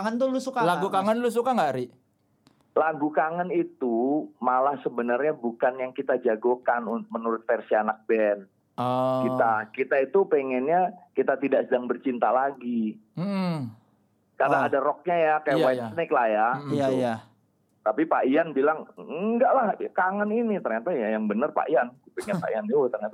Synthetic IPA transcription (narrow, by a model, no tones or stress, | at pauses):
ŋənt̪ʊlʊsukalaɡukaŋənlʊs̬ukaŋɡaʔɾiʔ | laɡukaŋənit̪umalahsəbənərɲabukanjaŋkit̪ad͡ʒaɡokanunt̪ʊk̚mənuɾʊt̪̚fersianak̚bɛn | kit̪akit̪ait̪upeŋɛnɲakit̪at̪idaʔsədaŋbərt͡ʃint̪alaɡi | karnaːdaɾɔk̚ɲajakajaʔwajsnɪklahjaitu | t̪apipaianbilaŋəŋɡaʔlahkaŋəninit̪ərɲat̪ajajaŋbənərpa̰ʔiankupɛŋɛnpa̰ianɛwt̪ərɲat̪a